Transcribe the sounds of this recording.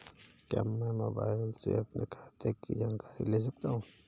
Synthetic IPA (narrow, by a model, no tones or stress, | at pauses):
keɐ̰mːɛ̃moːba̰ːɪlsḛɐpnekʰḁːt̪ekːḭd͡ʒaːnkaːɾḭleːs̬ɐk̚t̪aːɦũ